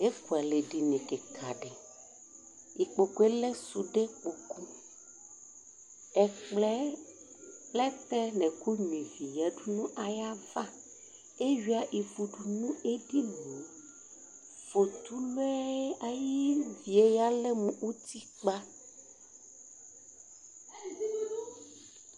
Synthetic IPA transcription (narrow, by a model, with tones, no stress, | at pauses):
e˦ku˨a˨le˨ɖi˨nĩ˨ke˨kʰa̰˨ɖɛ˨ | i˨k͡po˨ku˨˦e˦le˦su˨ɖe˦k͡po˨ku˦ | ɛ˨k͡plɛ˦ | lɛ˦t̪ɛ˦nɛ̃˨ku˦ɲ˨ĩ˨vi˨jɛ˨ɖu˦nũ˦ʔa˨ja˦va˦ | e˦ɥi˨˦a˨ʔi˨fu˨ɖu˨nũ˦e˦ɖi˦lo˨˦ | fo˨t̪u˦lɛ˦a˨ji˦vi˨e˦ja˦lɛ˦mũ˨u˦t̪i˦k͡pa˦